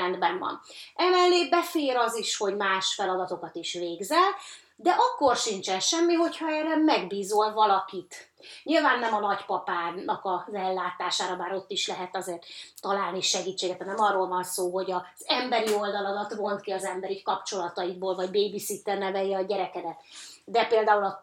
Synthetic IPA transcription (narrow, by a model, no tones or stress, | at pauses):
ɛnd̪bɛɱvɒ̰nɛmɛlːeːbɛfeːɾɒziʃho̞ɟmaːʃfɛlɒd̪ɒt̪o̞kɒt̪iʃveːɡzɛl | d̪ɛʔɒkːo̞rʃint͡ʃɛnʃɛmːiɦo̞chɒɛːrːɛmɛɡbiːzolvɒlɒkit̪ | ɲilvaːnːɛmɒnɒɟpɒpaːnɒkɒzɛlːaːt̪aːʃaːɾɒbaːɾo̞t̪ːiʃlɛɦɛt̪ɒzeːrt̪ːɒlaːlniʃɛɡiːt͡ʃːeːɡɛt̪ɛnɛmɒrːolvɒnsoːɦo̞ɟɒz̥ɛmbɛɾio̞ld̪ɒlɒlɒt̪vo̞nt̪kiɒzɛmbɛɾikɒpt͡ʃo̞lɒt̪ɒjiɡboːlvɒɟbeːbisit̪ːɛrnɛvɛjːɛɒɟɛɾɛkɛd̪ɛt̪d̪ɛpeːld̪aːulɒ